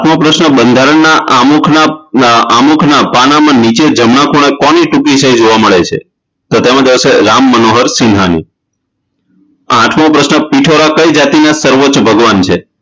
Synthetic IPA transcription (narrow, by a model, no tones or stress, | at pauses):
aʈʰmopɾəʃnəbənd̪ʱaɾəɳnaʔamukʰnaamukʰnapanamãnit͡ʃed͡ʒəmɳakʰoɽ̃ekɔniʈukiʃəid͡ʒoʋaməɭet͡ʃʰḛ | t̪ot̪emãd̪iʋəseɾamːənoɦəɾsɪnɦanḭ | ãʈʰmõpɾəsnəpiʈʰoɾakəid͡ʒat̪inasəɾʋot͡ʃbʱəɡʋant͡ʃʰe